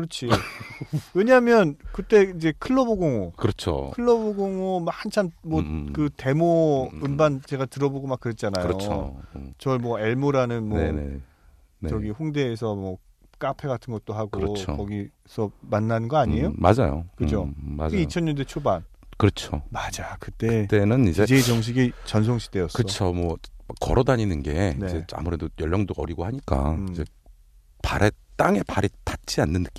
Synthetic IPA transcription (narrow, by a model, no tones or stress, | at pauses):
kɯɾʌt͡ɕʰi | we̞ɲaɦmjʌnkɯt͈e̞id͡ʑe̞kʰɯɭːʌboɡoŋokɯɾʌt͡ɕʰo̰ɯɭːʌboɡoŋomak̚hant͡ɕʰammwʌkɯte̞moɯmbant͡ɕe̞ɡatɯɾʌboɡomak͈ːɯɾet̚t͡ɕ͈anaoo̰t͡ɕʌɭmwʌe̞ɭmoɾanɯnmwʌ̰ | ʌɡiɸoŋde̞ːsʰʌmwʌ | k͈apʰe̞ɡatʰɯnɡʌt̚t͈oɦaɡoɾ̰kʌɡi | sʰʌmanːanɯnɡʌaɲijomad͡ʑajo̰kɯd͡ʑomad͡ʑit͡ɕʰʌɲːʌnde̞t͡ɕʰoban | kɯɾʌt͡ɕʰomad͡ʑakɯt͈et͈e̞nɯnid͡ʑed͡ʑet͡ɕʌŋɕ̬ʰiɡit͡ɕʌnsʰʌŋɕʰi̥d̥ejʌskɯt͡ɕʰomwʌkʌ̰ɾʌdaɲinɯnɡe̞ined͡ʑe̞a̰muɾe̞dojʌʎːʌŋdoʌ̰ɾiɡohaɲik͈a̰id͡ʑe̞ | paɾʔet͈aŋe̞paɾitat͡ɕ͈ianːɯnːɯk͈i